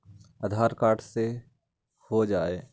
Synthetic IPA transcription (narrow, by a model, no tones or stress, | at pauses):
əd̪ʱaːɾkaːɾʈʰse | hod͡ʒaːeː